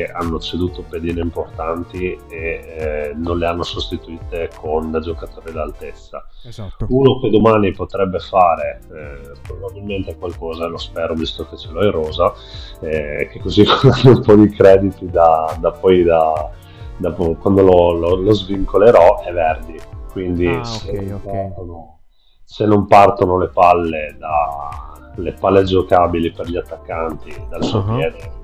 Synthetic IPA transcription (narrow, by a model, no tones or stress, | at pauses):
keanːot͡ʃed̪uːt̪oped̪iːneimport̪ant̪ie | nonleanːosost̪it̪uiːt̪ekʰond͡ʒokat̪oːɾid̪alt̪et̪sːa̰ | uːnoked̪omaːnipot̪ɾɛbːefaːɾe | pɾobabilment̪ekwalkɔːzalospɛːɾovist̪oket͡ʃeloɛrɔːza | ɛkekːozikananːoumpɔd̪ikɾɛːd̪it̪id̪ad̪apɔjd̪a | d̪apɔkwand̪olololozviŋkoleɾɔɛvɛrd̪ikwind̪iseprt̪ono | senːompart̪onolepalːed̪a | lepalːed͡ʒokabiliperʎiat̪ːakːant̪id̪alsuopjɛːd̪e